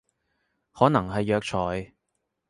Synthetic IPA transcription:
hɔː˨˥nɐ˨˩ŋɦɐ˨jːœː˨k̚t͡ʃʰɔː˨j

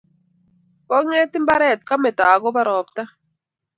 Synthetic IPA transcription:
kɔ˦ŋe˦tɪ˦mba˦ɾɛ˦˨tka˦mɛ˨ta˨ɡɔ˦ba˦ɾɔ˨pta˦

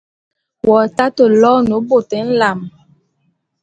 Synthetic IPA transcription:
wɔ˨ta˦to˨lɔ˦no˨˦bo˨tɛ˨˦n̩˦la˨m˨

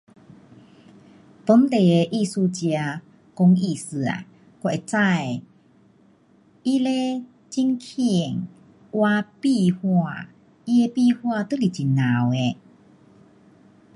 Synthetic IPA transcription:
t̪o˨˦nt̪e˨˩e˧ʔi˥˧˨su˧t͡ɕja˧ | kɔ˧ŋi˧˩˨sɨ˨˩a̰˨˩ | kwa˧˩ʔe˨t͡sa˥˧˨j | i˦le˦ | t͡ɕi˦ŋkʰi˧˨ə˨ŋ | wa˧pi˥˧hwa˥˧˨ | i˦˧e˧pi˥˧˨hwa˥˧t̪ɨ˦li˨˩t͡ɕi˨˩nːã˨we˧

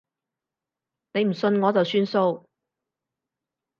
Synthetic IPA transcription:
ne˨˧jm̩˨˩sɵ˧nŋɔː˨˧t͡sɐ˨wsyː˥nso˧w

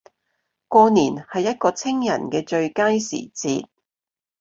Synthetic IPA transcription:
kɔː˧niː˨˩nhɐ˨jːɐ˥t̚kɔː˧t͡sʰɪ˥ŋjɐ̰˨˩nkɛː˧t͡ʃɵ˧ɥkaː˥jsḭː˨˩t͡sḭː˧t̚

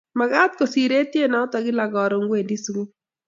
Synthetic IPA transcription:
ma˨ɡa˦t̪̚ko˨si˨ɾe˦tje˦nɔ˨˦t̪ɔ˨ɡɪ˦la˨ɡɔ˨ɾo˨ŋɡwe˨ndi˦su˦ɡu˦

